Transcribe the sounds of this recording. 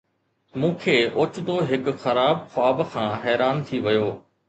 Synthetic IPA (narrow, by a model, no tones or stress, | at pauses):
mũːkʰeːʔʊt͡ɕd̪oɦɪkxɐɾaːbxʊaːbkʰãːɦɛːɾaːnt̪ʰiʋɐjoː